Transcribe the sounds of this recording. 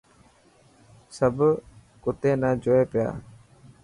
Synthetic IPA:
səb | kʊt̪enad͡ʒoepeja̰

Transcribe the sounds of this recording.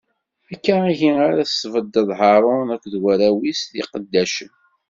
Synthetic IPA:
ækːæiʝiaɾæ̥svəd̪əðˤɦɑɾˤonækʷːðwæɾæwisθḭqəd̪ːæʃən

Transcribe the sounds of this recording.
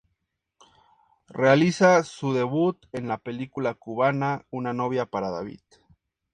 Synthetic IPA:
realisasuðe̞βut̪e̞nlape̞likulakuβanaunano̞βjapaɾaðaβḭt̪

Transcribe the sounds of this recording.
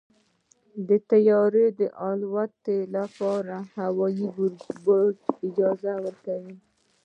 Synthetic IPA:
d̪ət̪ajɑɾed̪əʔɑlwat̪elapɑɾahawɑjibod͡ʒɪd͡ʒɑzawəɾkawi

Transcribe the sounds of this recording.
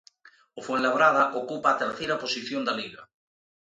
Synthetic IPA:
ofwenlaβɾaðaʔokupaːt̪eɾθejɾaposiθjond̪aliɣa

